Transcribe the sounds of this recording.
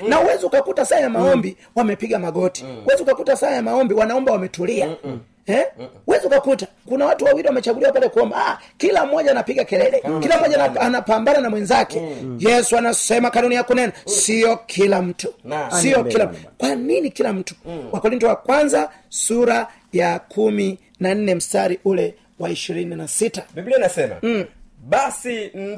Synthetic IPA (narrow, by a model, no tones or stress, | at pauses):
nauwɛziukakutasaajamaɔmbi | wamɛpiɡamaɡɔti̥uwɛziukakutasajamaɔmbiwanaɔmbawamɛtulia | hɛuwɛziukakuta | kunawatuwawiɾiwamɛt͡ʃaɡuliwapalɛkuɔmbakilam̩mːɔʄaːnapiɡakɛlɛlɛkilam̩mɔʄaanapambananamwɛnzakɛjɛsuanasɛmakanunijakunɛnasijɔkʰilam̩tusijɔkilam̩kwaninikilam̩tu̥wakɔɾintɔwakwanza | suɾa | jakʰumi | nan̩nɛm̩staɾiʔulɛ | waiʃiɾininasitabiblinasɛma̰ɓasi